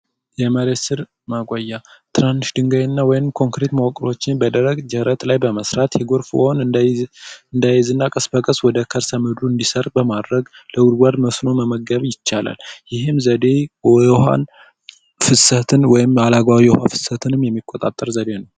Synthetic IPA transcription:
jɛməɾesɨɾ | maɡʷʼajːat̪ʰɨɾanːɨʃd̪ɨŋɡajɪnːawɔjɪmkʰo̞ŋkɾet̪məwɔkʼɾo̞t͡ʃːɪnbəd̪əɾəɡd͡ʒəhɾət̪lajbəməsɾat̪jɛɡoɾfhon | ɨnd̪ajɛzɨnːakʼəsbəkʼəswɔd̪əkʰəɾsəmɨd̪ɾuɨnd̪isərbəmad̪ɾəɡləwʊd̪ɡʷad̪məsno̞məməɡəβjɪt͡ʃːala̰ljɪɦɨmzəd̪e̞ɔha̰n | fɨsət̪ʰɨnwɔjɪmalaɡwawijɛha̰fɨ̥sət̪ʰɨnɨmjɛmːikʼːot̪ʼat̪ʼːəɾzəd̪e̞nəw

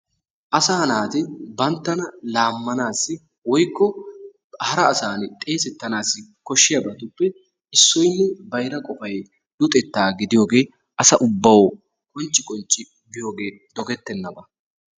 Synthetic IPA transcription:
ʔɐsɐhɐnaːt̪ɪbɐnt̪ːɐnɐlaːmːɐnaːsːɪ | wɔjkːɔ | hɐɾɐːsaːnɪt̪ʼe̞ːsɛt̪ːɐnaːsːɪkɔʃːɪjɐbɐt̪ʊpːɛ | ɪsːɔjnːɛbɐjɾɐkʼɔfɐj | d̪̥ʊt̪ʼɛt̪ːaːɡɪd̪ɪjo̞ːɡe̞ː | ʔɐsɐʔʊbːɐwɔ | kʼɔnt͡ʃʼːɪkʼɔnt͡ʃʼːɪ | bɪjo̞ːɡe̞ː | d̪̥ɔɡɛt̪ːɛnːɐbɐ

